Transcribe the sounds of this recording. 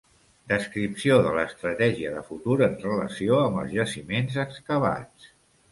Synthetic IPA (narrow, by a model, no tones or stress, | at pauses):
d̪əskɾipsioðələst̪ɾət̪ɛʒiəðəfut̪uɾənrələ̰sioəmbə̰lˠzʒəsimenzəkskəβ̞a̰t͡s